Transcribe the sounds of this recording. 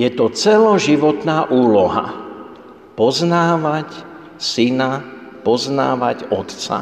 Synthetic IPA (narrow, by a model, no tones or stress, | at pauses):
jɛt̪ɔt͡sɛlɔʒiʋɔt̪naːʔuːlɔɦa̰ | pɔznaːʋac | sina | pɔzna̰ːʋaɟɔt̪t͡sa̰